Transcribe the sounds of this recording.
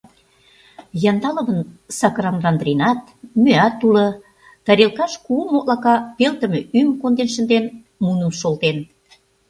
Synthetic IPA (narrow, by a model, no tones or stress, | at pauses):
jɑnd̪ɑlə̆βənsɑkɾɑnrɑnd̪renɑt̪̚ | møɑt̪ːulɤ̆ | t̪ɑɾelkɑʃkuumoʔlɑkɑpelt̪ə̆mĕymkond̪enʃə̆nd̪en | munə̆mʃolt̪en